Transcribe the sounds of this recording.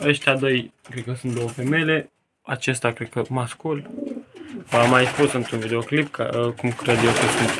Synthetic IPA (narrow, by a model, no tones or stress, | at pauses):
əʃt̪ʲad̪ojkɾed̪̚kəsunt̪̚d̪o̞wəfemejle̞ | at͡ʃe̞st̪ʲakɾe̞d̪̚kəmaskul | vamːajspusɨnt̪ɾunvid̪e̞oklipkʰa̰əkumkɾed̪jewkəsunt̪